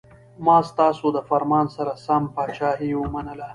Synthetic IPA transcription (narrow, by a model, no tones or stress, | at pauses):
mɑːst̪ɑsod̪əfaɾmɑːnsaɾasampɑːt͡ʃɑːɦewəmanəla